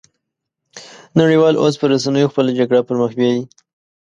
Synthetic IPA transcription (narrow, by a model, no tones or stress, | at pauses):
naɽiwɑlʔos̬pəɾas̬anəjoxpəlad͡ʒaɡɽapəɾməxbjɑwi